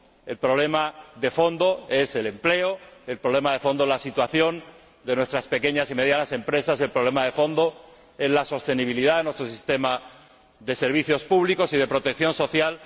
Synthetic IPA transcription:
e̞lpɾo̞βle̞maðe̞fo̞nd̪o̞e̞se̞le̞mple̞oe̞lpɾo̞βle̞maðe̞fond̪ozlasit̪waθjo̞n | d̪e̞nwe̞st̪ɾaspe̞ke̞ɲasime̞ðjanase̞mpɾe̞sase̞lpɾoβle̞maðe̞fo̞nd̪o̞ | e̞zlaso̞st̪e̞niβ̞iliðaðe̞nwe̞st̪ɾosist̪e̞ma | ðe̞se̞ɾβ̞iθjo̞spuβ̞liko̞sið̞e̞pɾo̞t̪ek̚θjo̞nso̞θjal

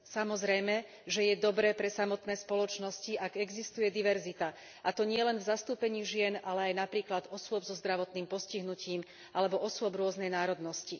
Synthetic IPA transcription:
samɔzɾɛjmɛ | ʒɛjɛd̪ɔbɾɛːpɾɛsamɔt̪nɛːspɔlɔt͡ʃnɔsciʔaɡɛɡzist̪ujɛd̪iʋɛɾzit̪a | ʔat̪ɔɲɪɛlɛnvzast̪uːpɛɲiːʒɪɛnalɛajnapɾiːklad̪ɔsʊɔbzɔzd̪ɾaʋɔt̪niːmpɔsciɦnuciːm | ʔalɛbɔʔɔsʊɔbɾʊɔznɛjnaːɾɔd̪nɔsci

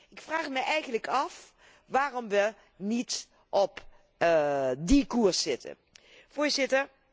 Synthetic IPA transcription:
ɪkfraːχmɛjʔɛjɣəntləkʰɑf | ʋaːrɔmʋə | nit | ʔɔp | dikusːɪtʰə̰ | fʊːɹzɪtəɹ

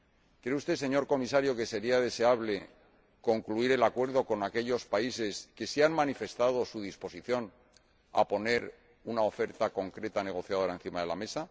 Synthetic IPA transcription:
kɾeust̪e̞se̞ɲo̞ɾko̞mis̬aɾjoke̞se̞ɾiað̞e̞se̞aβle̞ | ko̞ŋkluiɾe̞lakwe̞ɾð̞o̞ko̞nake̞ʎo̞spaise̞ske̞sianmanife̞st̪að̞o̞suðispo̞siθjo̞n | a̰po̞ne̞ɾ | unao̞fe̞ɾt̪ako̞ŋkɾe̞t̪ane̞ɣ̞o̞θjaðo̞ɾaenθimaðe̞lame̞sa

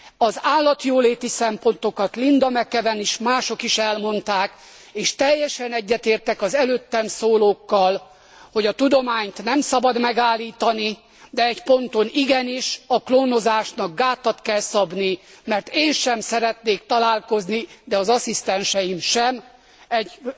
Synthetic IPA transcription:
ɒzaːlːɒt̪joːleːt̪isɛmpo̞nt̪o̞kɒt̪lind̪ɒmɛkɛvɛniʃmaːʃo̞kiʃɛlmo̞nt̪aːk | eːʃt̪ɛjːɛʃɛnɛɟːɛt̪eːrt̪ɛkɒzɛløːt̪ːɛmsoːloːkːɒl | ho̞ɟɒt̪ud̪o̞maːɲt̪nɛmsɒbɒd̪mɛɡaːlːiːt̪ɒni | d̪ɛɛcpo̞nt̪o̞niɡɛniʃɒkloːno̞zaːʃnɒɡ̚ɡaːt̪ːɒt̪kɛlsɒbnimɛrt̪eːnʃɛmsɛɾɛt̪neːkt̪ɒlaːlko̞znid̪ɛɒzɒsist̪ɛnʃɛjimʃɛm | ɛɟ

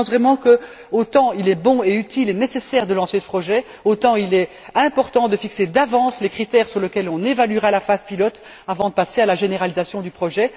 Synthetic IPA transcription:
svʁɛmɑ̃kə | ot̪ɑ̃ilɛbɔ̃eyt̪ilenesesɛːʁd̪əlɑ̃sesə̥pχɔʒɛ | ot̪ɑ̃ilɛ | ɛ̃pɔʁt̪ɑ̃d̪əfiksed̪avɑ̃slekχit̪ɛːʁsyʁləkʲɛlɔ̃nevalyʁalafazpilɔt̪ | avɑ̃d̪əpasealaʒeneʁalizasjɔ̃d̪ypχɔʒɛ

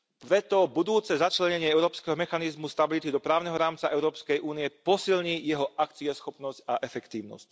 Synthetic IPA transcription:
pɾɛt̪ɔbud̪uːt͡sɛzat͡ʃlɛɲɛɲɪɛɛʊɾɔːpskɛɦɔmɛxanizmust̪abilit̪id̪ɔpɾaːʊnɛɦɔɾaːmt͡saʔɛʊɾɔːpskɛjʔuːniɛpɔsilɲiːjɛɦɔʔakt͡siɛsxɔpnɔscaʔɛfɛkt̪iːʊnɔ̰sc̚

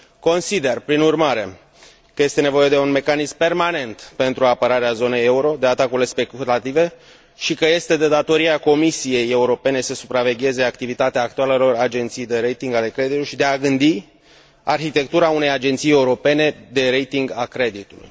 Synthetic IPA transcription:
ko̞nsid̪e̞rpɾinurmaɾe̞ | kəje̞st̪e̞ne̞vo̞je̞d̪e̞unme̞kanizmpe̞rmane̞nt̪pe̞nt̪ɾuapəɾaɾeazo̞ne̞jeuɾo̞d̪e̞at̪akuile̞spe̞kulat̪ive̞ | ʃikəje̞st̪e̞d̪e̞d̪at̪o̞ɾiako̞misije̞jeuɾo̞pe̞ne̞səsupɾave̞ɡʲe̞ze̞akt̪ivit̪at̪eaːkt̪ualelo̞rad͡ʒe̞nt̪sijd̪e̞ɾe̞jt̪iŋɡale̞kɾe̞d̪it̪uiʃid̪e̞aɡɨnd̪i | arçit̪e̞k̚t̪uɾaune̞jad͡ʒe̞nt̪sije̞uɾo̞pe̞ne̞d̪e̞ɾejt̪iŋɡakɾe̞d̪it̪ulṵj

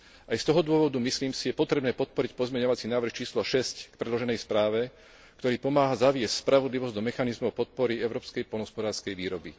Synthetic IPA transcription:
ʔajst̪ɔɦɔd̪ʊɔʋɔd̪umisliːmsijɛpɔt̪ɾɛbnɛːpɔt̪̚pɔɾic̚pɔzmɛɲɔʋat͡sinaːʋr̩xt͡ʃiːslɔʃɛsckpɾɛd̪lɔʒɛnɛjspɾaːʋɛ | kkt̪ɔɾiːpɔmaːɦazaʋɪɛsspɾaʋɔd̪liʋɔzd̪ɔmɛxanizmɔʊpɔt̪̚pɔɾiɛʊɾɔːpskɛjpɔlɦɔspɔd̪aːɾskɛjʋiːɾɔbḭ

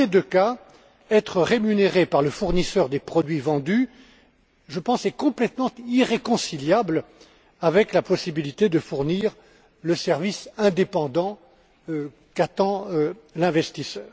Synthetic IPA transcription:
sed̪øka | ɛt̪χəʁemyneʁepaʁləfuʁnisœʁd̪epχɔd̪ɥivɑ̃d̪y | ʒəpɑ̃sɛkɔ̃plɛt̪mɑ̃t̪iʁekɔ̃siljabl | avɛklapɔsibilit̪ed̪əfuʁniʁ | ləsɛʁvisɛ̃d̪epɑ̃d̪ɑ̃ | kat̪ɑ̃lɛ̃vɛst̪isœːʁ

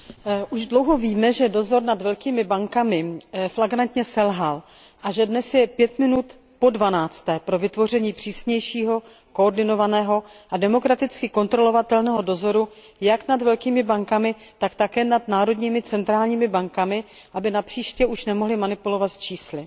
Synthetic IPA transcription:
ʔuʒdlo̞wɦo̞viːmɛʒɛdo̞zo̞ɾnad̪vɛlkiːmɪbaŋkamɪflaɡɾant̪ɲɛsɛlɦal | ʔaʒɛdnɛsjɛpjɛt̪mɪnut̪ | po̞dvanaːt͡st̪ɛːpɾo̞vɪt̪vo̞r̝ɛɲiːpr̥iːsɲɛjʃiːɦo̞ | ko̞oɾdɪno̞vanɛːɦo̞ʔadɛmo̞kɾat̪ɪt͡skɪko̞nt̪ɾolo̞vat̪ɛlnɛːɦo̞do̞zo̞ɾu | jaknadvɛlkiːmɪbaŋkamɪ | t̪akt̪akɛːnad̪naːɾo̞dɲiːmɪt͡sɛnt̪ɾaːlɲiːmɪbaŋkamɪ | ʔabɪnapr̥iːʃcɛʔuʃnɛmoɦlɪmanɪpulo̞vat̪t͡ʃiːslɪ

